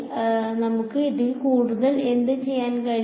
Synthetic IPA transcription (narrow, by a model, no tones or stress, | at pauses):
nɐmukːɨiðilkuːɽuðɐle̞nd̪ɨt͡ɕe̞jːaːnkɐɻ